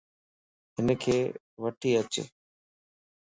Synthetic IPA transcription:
ɦɪnəkʰeː | ʋəʈʰiːət͡ʃḛː

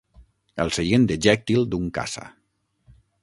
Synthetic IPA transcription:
əlˠseɣend̪əʒɛk̚t̪ilˠd̪uŋka̰sa̰

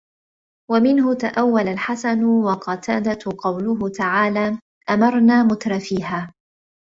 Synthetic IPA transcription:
wamɪnhʊt̪aʔawːalalħasanwɑqɑt̪ʰaːd̪aqɑwlʊɦʊt̪aʕaːlaː | ʔamɑɾˤnaːmʊt̪ɾˤɑfiːhaː

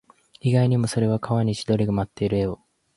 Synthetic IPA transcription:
iɡaiɲ̟imo̞so̞ɾe̞βakʰaβaɲ̟iɕid̪o̞ɾʲiɡɯ̟mat̪ːe̞iɾɯ̟e̞o̞

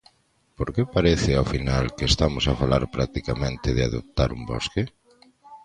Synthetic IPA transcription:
poɾkepaɾeθɪawfinalkest̪amʊsafalaɾpɾak̚t̪ikamẽnt̪ɪðɪa̰ðo̰p̚t̪aɾumbɔ̰ske

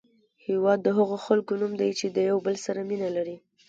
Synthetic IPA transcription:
hewɑd̪ːəɦaɣoxalkonumd̪ajt͡ʃed̪əjawbəlsaɾaminalaɾi

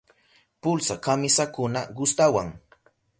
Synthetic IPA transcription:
pʊlsakamɪsakʊnaɢʊst̪awaŋ

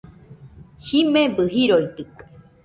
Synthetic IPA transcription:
himẽbɨɦiɾojt̪ɨke̥

